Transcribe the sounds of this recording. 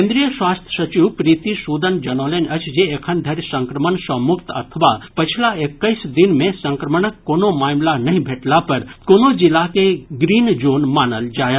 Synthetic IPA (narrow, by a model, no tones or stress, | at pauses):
ẽnd̪ɾijəsʋaːst̪ʰjə̥sɐt͡ʃiʋpɾiːt̪isuːd̪ənd͡ʒɐnoːlenɐt͡ʃʰd͡ʒeekʰənd̪ʱɐɾjsɐ̃ŋkɾəmənsəmʊkt̪ɐ̰t̪ʰəʋapət͡ʃʰlaekːəisd̪ɪnmẽsə̃ŋkɾəməɳəkːoːnomaːmlanɐɦĩbʱeːʈlapɐɾkoːnod͡ʒɪlakeɡɾiːnd͡ʒoːnmaːnəld͡ʒaːja